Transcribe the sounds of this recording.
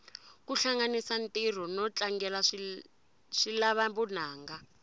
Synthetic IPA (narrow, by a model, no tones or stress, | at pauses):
kuɬaŋɡanisantʼir̤ɔnɔt͡ɬʼaŋɡɛlaʂ | ʂilaβabun̤aːŋɡa